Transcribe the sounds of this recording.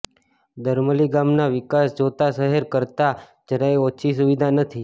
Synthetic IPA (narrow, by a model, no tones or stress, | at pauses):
d̪əɾməliɡamnaʋɪkasd͡ʒot̪asəɦəɾkəɾt̪a | d͡ʒəɾaeot͡ʃʰis̬uʋid̪ʱanət̪ʰi